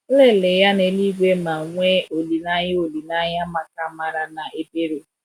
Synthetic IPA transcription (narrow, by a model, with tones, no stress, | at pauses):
le˦˨le˨ja˦ne˨˦li˦ɡʷe˦ma˨ŋʷe˦o˨li˨na˦ɲɪ˦o˨li˨na˦ɲa˦ma˨ka˦ma˨ɾa˦na˨ʔe˦be˦ɾo˨